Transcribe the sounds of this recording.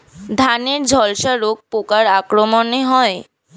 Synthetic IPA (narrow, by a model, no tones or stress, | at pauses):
d̪ʱaneɾd͡ʑʱɔlʃaɾoɡ̚pokaɾakɾomoneɦɔe